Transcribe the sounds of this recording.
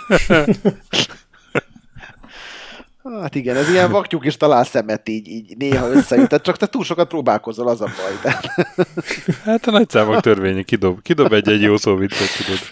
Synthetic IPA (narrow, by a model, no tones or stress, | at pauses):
oat̪iɡɛnɛzijɛɱvɒkcukiʃt̪ɒlaːlsɛmɛt̪iːɟiːɟneːɦɒøsːɛjyt̪ːɛt̪̚t͡ʃɒkt̪ɛt̪uːlʃo̞kɒt̪̚proːbaːlko̞zːolɒzɒbɒjt̪ɛt̪ | hat̪ɒnɒc̚saːmokt̪ørveːɲɛkid̪obkid̪o̞bɛɟːɛɟjoːsoːvit̪sːokid̪ob